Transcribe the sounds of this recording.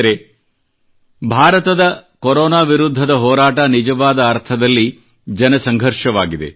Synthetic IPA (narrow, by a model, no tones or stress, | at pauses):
ɾe̞ | bʱaːɾɐt̪ɐd̪ɐkoɾoːnaːʋiɾud̪ʱːɐd̪ɐɦɔːɾaːʈɐnid͡ʒɐʋaːd̪ɐːɾt̪ʰɐd̪ɐlːi | d͡ʒɐnɐsɐŋɡʱɐɾʂɐʋaːɡid̪e̞̰